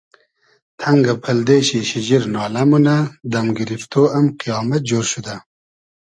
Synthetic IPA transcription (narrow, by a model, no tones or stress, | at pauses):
t̪ʰaŋɡapʰɐld̪eɕiɕid͡ʑiɾnɑːlamunad̪amɡiɾift̪oʔamqijɑːmat̪̚d͡ʒoːɾʃud̪a